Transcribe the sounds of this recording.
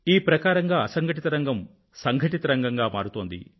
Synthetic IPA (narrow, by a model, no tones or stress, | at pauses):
iːpɾɐkaːɾɐŋɡaːɐsɐŋɡʱɐʈit̪ɐɾɐŋɡɐm | sɐŋɡʱɐʈit̪ɐɾɐŋɡɐŋɡaːmaːɾut̪oːnd̪ḭ